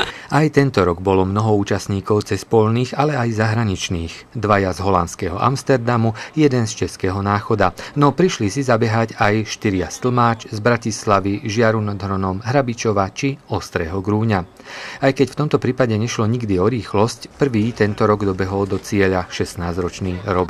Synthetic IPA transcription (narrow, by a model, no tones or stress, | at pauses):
ajt̪ɛnt̪ɔɾɔɡbɔlɔmnɔɦɔuːt͡ʃasɲiːkɔʊt͡sɛspɔʎniːɣalɛajzaɦɾaɲit͡ʃniːɣ | d̪ʋajazɦɔlant̪skɛɦɔʔa̰mst̪ɛɾd̪amujɛd̪ɛnst͡ʃɛskɛːɦɔnaːxɔd̪anɔpɾiʃlisizabɛɦacajʃt̪iɾɪast̪l̩ˠmaːt͡ʃzbɾacislaʋiʒɪaɾunad̪ɦɾɔnɔmɦɾabit͡ʃɔʋat͡ʃiɔst̪ɾɛɦɔɡɾuːɲa | ajkɛcft̪ɔmt̪ɔpɾiːpaɟɛɲɛʃlɔɲiɡd̪iɔɾiːxlɔscpr̩ʋiːt̪ɛnt̪ɔɾɔɡd̪ɔbɛɦɔld̪ɔt͡sɪɛʎaʃɛsnaːzɾɔt͡ʃniːɾɔɡ